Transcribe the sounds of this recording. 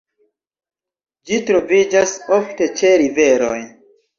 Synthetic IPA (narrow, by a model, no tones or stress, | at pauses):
d͡ʒitɾo̞vid͡ʒaso̞fte̞t͡ʃe̞ɾive̞ɾo̞̰j